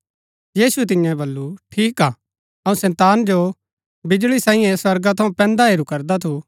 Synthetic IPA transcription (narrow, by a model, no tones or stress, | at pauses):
jiːsuɛt̪̬ɪjãbɐlːuʈʰiːkaː | ɐũsɛ̃ːt̪aːnd͡ʒo | bɪd͡ʒɭisãːĩjɛ̃swɐɾɡat̪ʰɐũpɛ̃ːnd̪aɦeːɾukɐɾd̪at̪ʰu